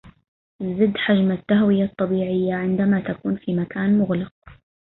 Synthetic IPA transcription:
zɪd̪ːħad͡ʒmat̪ːaɦwɪjat̪ˤːɑbiːʕɪjːaʕɪnd̪amat̪akuːnfimakaːnmʊɣlɪq̚

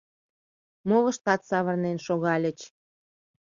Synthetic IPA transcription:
moβə̆ʃt̪ɑt̪sɑβərnenʃoɣɑlʲə̆t͡ɕ

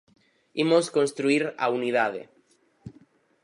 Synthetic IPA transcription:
imoskonst̪ɾuiɾa̰unið̞aðḛ

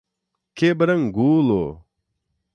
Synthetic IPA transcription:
kebɐɾɐŋɡuːlo̰

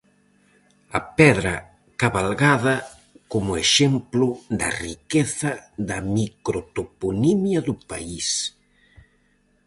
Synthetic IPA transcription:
ɐpɛðɾɐ | kaβalɣaðɐ | komʊeʃemplʊd̪ɐ̰rikeθɐðɐmikɾot̪oponimjɐðʊpais

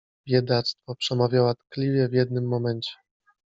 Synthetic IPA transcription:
vʲjɛd̪at̪st̪fɔpʂɛmavʲjawat̪klʲivʲjɛvʲjɛd̪nɘmːɔmɛɲt͡ɕɛ̥

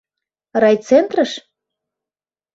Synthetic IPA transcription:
rɑjt͡sent̪rəʃ

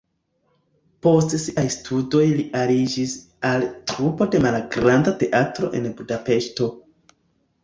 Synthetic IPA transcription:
po̞stsiajstʰudo̞jliʔaɾid͡ʒis | altɾupo̞de̞malɡɾandate̞ʔatɾo̞̰ʔe̞̰nbudape̞ʃto̞

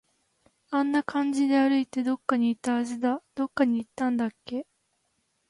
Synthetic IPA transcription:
ãnːakãɲ̟d͡ʑid̪e̞aɾɯ̟it̪e̞d̪o̞kːaɲ̟iːt̪ːaːʑid̪ad̪̥o̞kːaɲ̟iːt̪ːãnd̪akːe̞

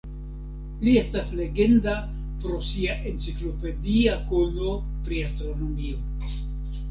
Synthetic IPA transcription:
lie̞stasle̞ɡe̞nda | pɾo̞siaʔe̞nt͡siklo̞pe̞diakono̞ | pɾiastɾo̞no̞mio̞

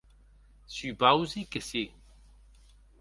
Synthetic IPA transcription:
sybawzikesi

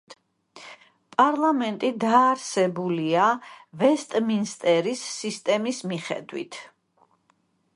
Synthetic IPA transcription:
pʼaɾlˠamɛnt̪ʼid̪aːɾsɛbuliavɛst̪ʼminst̪ʼɛɾisːist̪ʼɛmismiχɛ̰d̪wḭt̪ʰ

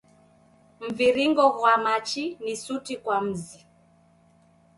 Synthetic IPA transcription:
m̩viɾiŋɡɔɣwamat͡ʃinisutikwam̩zi

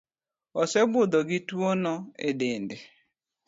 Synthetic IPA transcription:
ɔsɛbʊd̪ɔɡɪtwonɔedɪndɪ

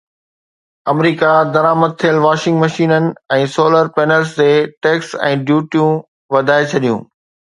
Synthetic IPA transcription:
ɐmɾiːkad̪ɐɾaːməd̪̚t̪ʰijəlʋaːʃɪ̃ŋɡmɐʃiːnənɪ̆ɛ̃ːsoːləɾpeːnəlsd͡ʑeːʈeːksɛ̰̃ːɖjuːʈijũ | ʋɐd̪ʱaːet͡ɕʰɐɗijṵ̃ː

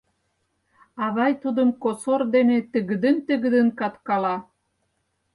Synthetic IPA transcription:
ɑβɑjt̪ud̪ə̆mkosord̪enet̪əɣə̆d̪ə̆nt̪əɣə̆d̪ə̆nkɑt̪kɑlɑ

